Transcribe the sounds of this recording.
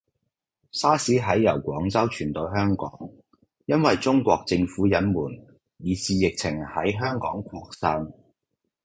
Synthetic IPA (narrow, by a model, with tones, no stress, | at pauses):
saː˥siː˨˥ɦɐ˨˥jjɐ˨˩wkʷɔː˨˥ŋt͡sɐ˥wt͡ʃʰyː˨˩nt̪o˧wɦœː˥ŋkɔ̰ː˨˥ŋ | jɐ˥nwɐ˨jt͡sʊ˥ŋkʷɔː˧k̚t͡sɪ˧ŋfuː˨˥jɐ˨˥nmuː˨˩n | jiː˨˧siː˨˧jɪ˨k̚t͡sʰɪ˨˩ŋhɐ˨˥jɦœː˥ŋkɔː˨˥ŋkʷʰɔː˧˥k̚sɐ˥ŋ